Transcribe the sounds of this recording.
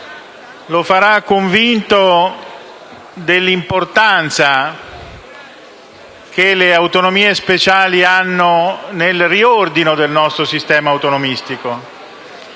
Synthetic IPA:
lofaɾakːoɱvint̪o | d̪elːimport̪ant̪sa | kʰeleawt̪onomiːespet͡ʃaːlianːonelriord̪inod̪elnɔst̪ɾosist̪ɛːmaːwt̪onomist̪iko

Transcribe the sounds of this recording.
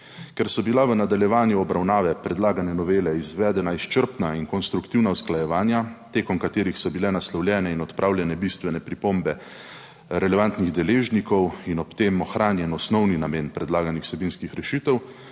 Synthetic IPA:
kɛɾsɔbilaʋənad̪aljɛʋaːnjuɔbɾawnaːʋɛpɾɛd̪laːɡanɛnɔʋeːlɛizʋɛːd̪ɛnaist͡ʃəɾpnainkɔnst̪ɾukt̪iwnaɔsklajɛʋaːnjat̪eːkɔmkat̪eːɾixsɔbilɛnaslɔwljɛːnɛinɔt̪pɾʔaːwlʲjɛnɛbist̪ʋɛnɛpɾipombɛ | ɾɛlɛʋant̪niɣd̪ɛleːʒnikɔwinɔpt̪emɔxɾaːnjɛnɔsnɔwninameːnpɾɛd̪laːɡanixwsɛbinskixɾɛʃiːt̪ɛw

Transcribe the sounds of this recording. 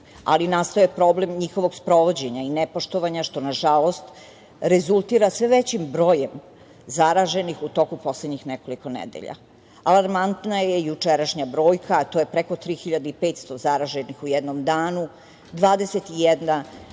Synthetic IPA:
a̰linast̪ojepɾo̞blemɲixo̞ʋoɡspɾo̞ʋo̞d͡ʑe̞ɲainepo̞ʃt̪oʋaɲaʃt̪o̞naʒalo̞st̪ | ɾezulˠt̪iɾasʋeʋet͡ɕimbɾo̞ːjem | zaɾaʒe̞nixut̪o̞kupo̞sled̪ɲixneko̞liko̞nḛd̪ḛʎa̰ | alˠaɾmant̪najejut͡ʂeɾaʃɲabɾo̞ːjkat̪oːjepɾeko̞t̪ɾiːxiʎad̪aipet̪st̪o̞zaɾaʒenixujɛd̪nomd̪aːnu | d̪ʋaːd̪eset̪ijɛd̪na

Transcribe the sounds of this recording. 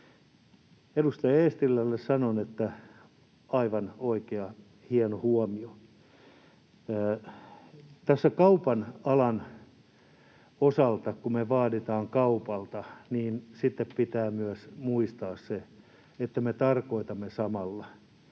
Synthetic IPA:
edust̪ɑjɑeːst̪ilːælːessɑnonet̪ːæ | ɑiʋɑnoikeɑ | hienohuɔmio | t̪æsːækɑupɑnɑlɑn | osɑlt̪ɑkumeʋɑːdit̪ɑːŋkɑupɑlt̪ɑniːnsit̪ːeppit̪æːmyæsmuist̪ɑːsse | et̪ːæmet̪ɑrkoit̪ɑmːesɑmɑlːɑ

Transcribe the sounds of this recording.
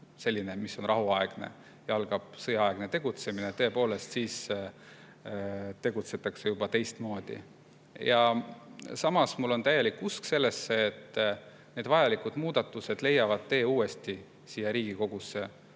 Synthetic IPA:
se̞lʲːine̞misːo̞nrʔɑɦuɑeɡ̥nḛ | jɑlɡ̥ɑb̥sɤjɑɑeɡ̥ne̞t̪e̞ɡ̥ut̪se̞minet̪ɤ̞e̞po̞ːle̞st̪siːs | t̪e̞ɡ̥ut̪se̞t̪ːˑɑksejubɑt̪e̞jst̪mo̞ːd̪̥ḭ | jɑ | sɑmɑsmulːo̞nt̪æje̞likːuskse̞lːe̞sːe̞ːt̪ː | ne̞ːd̪vɑjɑlikud̪̥muːd̪̥ɑt̪ːˑuse̞d̪̥le̞jːɑvɑd̪̥̚t̪e̞ːuːe̞st̪i | siːjeɾiːɡ̥iko̞ɡ̥usːe̞

